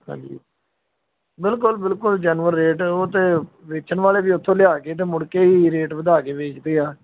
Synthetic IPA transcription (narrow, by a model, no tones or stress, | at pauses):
hã̰ːɲd͡ʒḭː | bɪlkʊlbɪlkʊld͡ʒɛːnʋəɾːeːʈoːt̪eːʋeːt͡ʃəɳʋaːleːbiːʊt̪ʰːõːlɪjaːkeːt̪̬eːmʊɽkeːiːɾeːʈbəd̪aːkeːʋeːt͡ʃd̪eːaː